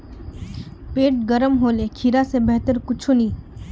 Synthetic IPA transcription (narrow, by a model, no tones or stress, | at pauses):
peːʈ̚ɡɐɾəmɦoːlekʰiɾasebɛɦt̪əɾkʊt͡ʃʰunĩː